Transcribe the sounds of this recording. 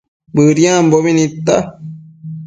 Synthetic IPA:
bɨɾjãmboβinit̪ːa

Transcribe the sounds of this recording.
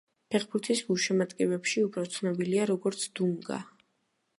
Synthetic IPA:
pʰɛχbuɾt̪ʰisɡuʃɛmat̪kʼɛbɛpʃiupʰɾɔt̪sʰnɔbiliaɾɔɡɔɾt̪sʰd̪̥uŋɡa̰

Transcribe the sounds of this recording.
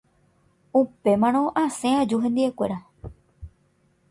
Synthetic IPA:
upe̞mãñõ̞ʔãsẽãd͡ʒuɦẽ̞nd̪iekʷe̞ɾa

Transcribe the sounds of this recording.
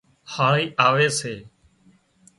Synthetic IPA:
haːɾiːʔaːʋeːseː

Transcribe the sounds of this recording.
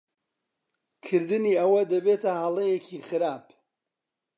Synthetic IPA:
kʰɨɾd̪ɨniɐwɐd̪ɐbet̪ʰɐhɐlˠejecʰiχɨɾaːp

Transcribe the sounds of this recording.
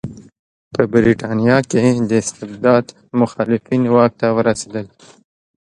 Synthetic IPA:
pəbɪɾiʈaːnijaked̪əɪst̪ebd̪aːd̪ | mʊxaːlɪfiːnwaːk̚t̪awəɾased̪əl

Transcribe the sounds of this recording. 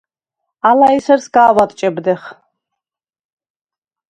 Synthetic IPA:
alaisɛɾsɡaːwat̪ʼt͡ʃʼɛbd̪ɛχ

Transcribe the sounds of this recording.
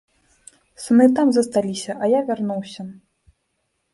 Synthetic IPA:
sunɨt̪amzɐst̪alʲisʲɐʔɐjavʲarnuwsʲɐ

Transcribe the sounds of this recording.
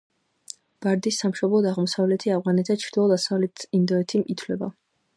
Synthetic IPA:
b̥aɾd̪isːamʃɔblˠɔd̪aʁmɔsavlɛt̪ʰiavʁanɛt̪ʰzat͡ʃʰɾd̪ilˠɔd̪asavlɛt̪ʰind̪ɔɛt̪ʰimit̪ʰwlɛba̰

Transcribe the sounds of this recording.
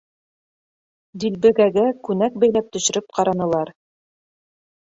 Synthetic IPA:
d̪ilbɘ̆ɡæɡækʉnæk̚bæjlæp̚t̪ɵ̆ʃɘ̆ɾɘp̚qɑɾɑnɤ̆lˠɑɾ

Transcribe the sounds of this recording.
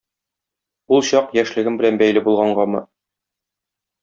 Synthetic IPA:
ulˠɕɑqjæʃlɘ̆ɡɘmbɘ̆lænbæjlɘbulˠʁɑɴɢɑmɤ̰

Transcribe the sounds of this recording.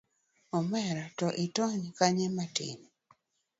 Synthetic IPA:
ɔmɛɾɔtɔʔitɔɲkaɲɛmatḭni

